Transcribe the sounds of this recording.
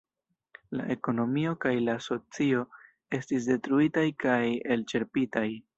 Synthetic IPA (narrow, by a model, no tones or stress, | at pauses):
la̰ʔe̞ko̞no̞mio̞kajlaso̞t͡sio̞ | e̞stis̬de̞tɾuitajkaje̞lt͡ʃe̞ɾpitaj